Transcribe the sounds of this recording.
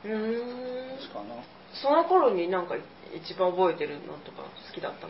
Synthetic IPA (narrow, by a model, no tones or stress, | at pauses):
ɯ̟̃ | so̞no̞ko̞ɾo̞ɲ̟inãŋkai | ḭt͡ɕibãɰ̃obo̞e̞t̪e̞ɾɯ̟nʔã̰nt̪o̞ka̰sɨ̥kʲid̪a̰t̪ːa